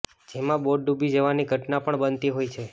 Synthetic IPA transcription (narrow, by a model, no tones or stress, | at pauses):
d͡ʒemãboɖɖubʱid͡ʒəʋaniɡʱəʈnapəɳbənt̪iɦojt͡ʃʰe